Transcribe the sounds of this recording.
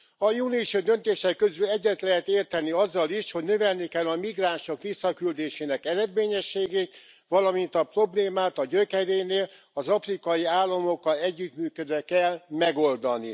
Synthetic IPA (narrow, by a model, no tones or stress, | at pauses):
ɒjuːniuʃod̪ønt̪eːʃɛkːøzylɛɟːɛt̪lɛɦɛt̪eːrt̪ɛnːiɒzːɒliʃho̞ɟnø̞vɛlnikɛlːɒmiɡraːnʃo̞kʋisːɒkyld̪eːʃeːnɛkɛɾɛd̪meːɲɛʃːeːɡeːt̪ | ʋɒlɒmint̪ɒpro̞bleːmaːt̪ɒɟøkɛɾeːneːl | ɒzɒfrikɒjiaːlːɒmo̞kːɒlɛɟːyt̪myːkød̪ʋɛkɛlmɛɡo̞ld̪ɒnḭ